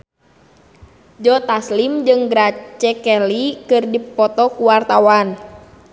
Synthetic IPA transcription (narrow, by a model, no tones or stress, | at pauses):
d͡ʒɔt̪aslimd͡ʒɨŋɡɾat͡ʃɛkɛlikɨrdipɔt̪ɔkuwart̪awan